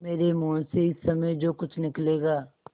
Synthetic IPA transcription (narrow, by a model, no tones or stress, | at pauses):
meːɾemoːseɪsːɐməjd͡ʒoːkʊt͡ʃʰnɪkleːɡaː